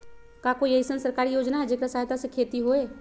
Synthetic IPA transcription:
kakoiəɦisənsəɾkaːɾijoːd͡ʒnaɦɛd͡ʒeːkɾasaːɦjt̪asẽkʰeːt̪iɦoe

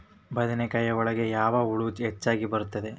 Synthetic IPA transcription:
bɐd̪ɐnekɐjɐɔɭɐɡe̞jaːʋɐuɭud͡ʒɦet͡ʃːaːɡibɐɾut̪ːɐd̪e

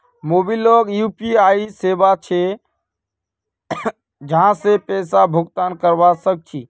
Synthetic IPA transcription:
moːbilɔːɡjuːpiaːiseːbat͡ʃʰe | d͡ʒəɦãsepɛːsabʱʊɡt̪aːnkəɾʋasək̚t͡ʃʰi

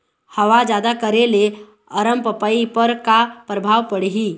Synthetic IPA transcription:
həʋad͡ʒjaːd̪akəɾele | əɾəmpəpaipəɾkapɾəbʱaːʋpəɽɦiː

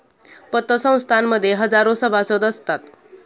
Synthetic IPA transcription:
pət̪ːəsə̃w̃st̪ʰanməd̪ʱːjeɦʌd͡zaɾosəbʱasod̪əst̪at̪

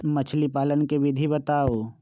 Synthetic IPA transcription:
mɐt͡ʃʰlipaːlənkeʋɪd̪ʱibɐt̪aːoː

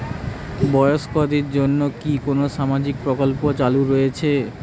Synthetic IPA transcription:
bɔjoʃkod̪iɾd͡ʑonːokikonoʃamad͡ʑik̚pɾokolpot͡ɕaluɾojet͡ɕʰe

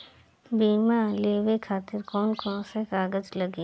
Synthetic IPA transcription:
biːmaleːwekʰaːt̪ɪɾkɔːnkɔːnsekaːɡəd͡ʒlɐɡeː

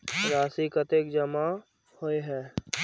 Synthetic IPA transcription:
ɾaːsikət̪eːk̚d͡ʒəma | hoeɦɛː

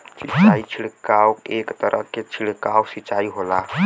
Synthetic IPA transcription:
sit͡ʃːait͡ʃʰilkawkekt̪əɾʔə̰ket͡ʃʰilkawsit͡ʃaiɦola

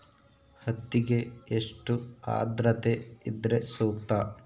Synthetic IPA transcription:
hɐt̪ːiɡe̞ːʂʈua̰ːd̪ɾɐt̪eid̪ɾesuːkt̪ɐ

